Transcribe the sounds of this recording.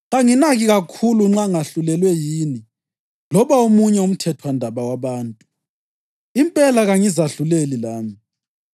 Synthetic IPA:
ɣaŋinaɣiɣakʰuluŋ͡ǁaŋaɬulɛlwɛjiːni | lɔβaomuɲɛum̩tʰɛtʰwandʱaβawaβaːntʼu | impʼɛlaɣaŋizaɬulelilaːmi

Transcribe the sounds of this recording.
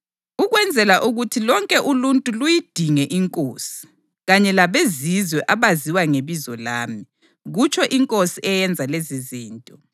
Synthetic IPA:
uɣwɛnd͡zʱɛlaʔuɣutʰilɔŋkʼɛʔuluntʼulujid̥ʱiŋɛʔiŋkʼoːsi̥ | ɣaɲɛlaβezizwɛʔaβaziwaŋeβizɔlaːmi | ɣut͡ʃʰʼɔʔiŋkʼosiʔɛjɛnd͡zʱaleziziːntʼɔ

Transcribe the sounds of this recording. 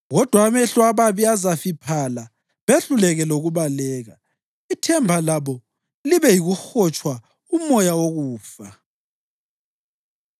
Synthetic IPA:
ɣɔd̥ʱwaːβɛɬɔaβaβiazafipʰala | βeɬulɛɣɛloɣuβalɛːɣa | itʰɛmbʱalaβɔ | liβɛjiɣuxɔt͡ʃʼwa | umɔjawoɣuːfa

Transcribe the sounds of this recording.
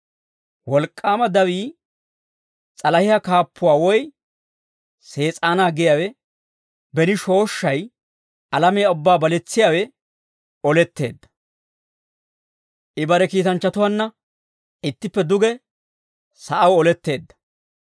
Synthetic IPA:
wɔlkʼːaːmɐd̪ɐwiː | t͡sʼɐlɐhɪjɐkaːpːʊwaːwɔj | se̞ːt͡sʼaːnaːɡɪjawɛ | bɛnɪʃo̞ːʃːɐj | ʔɐlɐmɛjaʊbːaːbɐlɛt͡sːɪjaːwɛ | ɔlɛt̪ːe̞̰ːd̪ːɐ̥ | ʔɪbɐɾɛkiːt̪ɐnt͡ʃːɐt̪ʊwɐnːɐ | ɪt̪ːɪpːɛd̪ʊɡɛ | sɐʔɐwɔlɛt̪ːe̞ːd̪ːɐ̥

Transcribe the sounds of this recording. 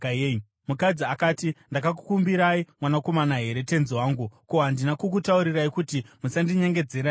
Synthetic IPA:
mukad͡ziakaːtindakak̬u̥kumbiɾaimwanako̞manaɦe̞ɾe̞te̞nziwaːŋɡukoɦandinakuk̬utauɾiraikutimusandiɲe̞ŋɡe̞d͡ze̞ɾa

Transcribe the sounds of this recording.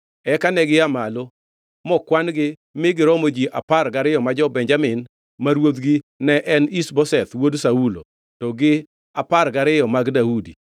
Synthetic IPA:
ɛkanɛɡɪamalo | mɔkwanɡɪ | mɪɡɪɾɔmod͡ʒiʔapaɾɡaɾɪjɔmad͡ʒɔbɛɲd͡ʒamɪn | maɾwod̪ɡɪnɛʔɛnisbɔsɛt̪wodsaulo̰ | tɔɡɪ | apaɾɡaɾɪjɔmaɡdaudi

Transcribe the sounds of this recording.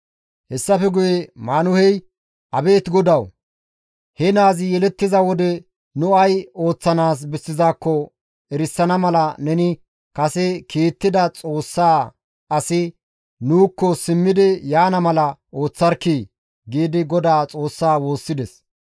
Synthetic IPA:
hɛsːɐfɛɡʊjɛmaːnʊhɛj | ʔɐbe̞ːt̪ɡɔd̪ɐw | hɛnaːzɪjɛlɛt̪ːɪzɐwɔd̪ɛ | nʊɐjo̞ːt͡sːɐnaːs̬bɛsːɪzaːkːɔ | ɛɾɪsːɐnɐmɐlɐnɛnɪ | kɐsɛkiːt̪ːɪd̪ɐt͡sʼo̞ːsːaː | ʔɐsɪ | nuːkːɔsɪmːɪd̪ɪjaːnɐmɐlɐo̞ːt͡sːɐɾkːi | ɡiːd̪ɪɡɔd̪aːt͡sʼo̞ːsːaːwo̞ːsːɪd̪ɛs

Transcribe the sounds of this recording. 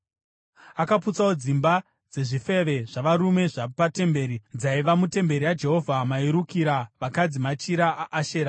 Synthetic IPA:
akaput͡sawo̞d͡zimba | d͡ze̞ʐife̞ʋe̞ʐaʋaɾume̞ʐapate̞mbe̞ːɾid͡zaiʋamute̞mbe̞ɾiwad͡ʒe̞ɦo̞vʱamaiɾukiɾaʋakad͡zimat͡ʃiɾaaʔːʃeːɾa

